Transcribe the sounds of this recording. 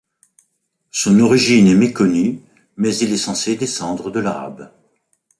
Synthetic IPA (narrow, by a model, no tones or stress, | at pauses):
sɔ̃nɔʁiʒinɛmekɔny | mɛzilɛsɑ̃sed̪esɑ̃d̪ʁəd̪əlaʁa̰b